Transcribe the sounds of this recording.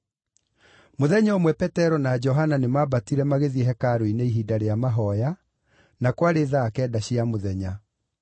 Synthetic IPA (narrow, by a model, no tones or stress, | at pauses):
moðɛɲaomwɛpɛtɛɾɔnad͡ʒɔɦananemabatiɾɛmaɣeðiɛɦɛkaɾoineiɦidaɾeamaɦɔja | nakwaɾeːðaːkɛːdaɕiamoðɛɲa